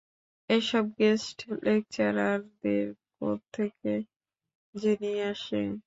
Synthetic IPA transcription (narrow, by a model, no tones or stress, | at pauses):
eʃɔb̚ɡesʈʰlek̚t͡ʃaɾaɾd̪eɾpɔ̰ɾt̪ʰeke | d͡ʒeniaʃe